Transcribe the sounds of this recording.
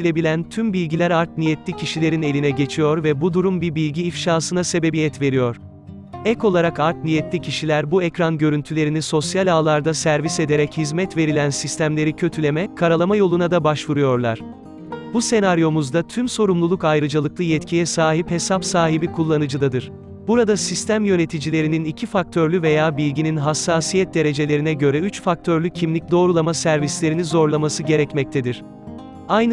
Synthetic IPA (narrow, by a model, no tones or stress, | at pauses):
ilʲebilʲænt̪ʰymbilʲɟilʲæɾaɾt̪̚nijɛt̪ʰlʲicʰiʃilʲe̞ɾine̞lʲinɛɟe̞t͡ʃʰijo̞ɾvɛbud̪uɾumbibilʲɟiːfʃaːsɯnase̞be̞bijɛt̪ve̞ɾijo̞ɾ̥ | ɛko̞lˠaɾakaɾt̪̚nijɛt̪lʲicʰiʃilʲæɾbuɛcɾanɟø̞ɾynt̪ʰylʲe̞ɾiniso̞sjalʲaːlˠaɾd̪asæɾvise̞d̪eɾɛchizmɛt̪ve̞ɾilʲænsist̪ʰæmlʲe̞ɾicʰø̞t̪ʰylʲe̞mɛkʰaɾalˠamajo̞lˠunad̪abaʃvuɾujo̞ɾlˠa̰ɾ̥ | buse̞naɾjo̞muzd̪at̪ʰymso̞ɾumlˠulˠukajɾɯd͡ʒalˠɯk̚lˠɯjɛt̪cʰijɛsaːɦiphe̞sapsaːɦibikʰulˠːanɯd͡ʒɯd̪ad̪ɯɾ̥ | b̥uɾad̪asist̪ʰæmjø̞ne̞t̪ʰid͡ʒilʲe̞ɾininicʰifak̚t̪ʰøɾlʲyve̞jaːbilʲɟininɦasːaːsijɛt̪̚d̪e̞ɾe̞d͡ʒe̞lʲe̞ɾinɛɟø̞ɾɛyt͡ʃfak̚t̪ʰøɾlʲycʰimlʲic̚d̪o̞ːɾulˠamasæɾvislʲe̞ɾinizo̞ɾlˠamasɯɟe̞ɾɛcmɛc̚t̪ʰed̪iɾ̥ | ajn